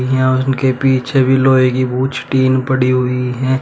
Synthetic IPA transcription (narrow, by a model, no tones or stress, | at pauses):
iɦɛ̃ʊnkepiːt͡ʃʰebʱiloːekibuːt͡ʃʈiːnpɐɽiɦʊiɦɛ̃